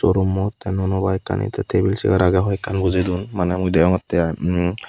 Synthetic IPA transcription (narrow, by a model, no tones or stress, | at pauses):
sɔɾumːɔt̪ɛnɔnɔbajkːa̰nḭt̪ɛt̪ʰebilsḭkaɾaɡaɦɔjɛkːanbuzed̪unmanɛmudɛɔŋɔt̪ːɛa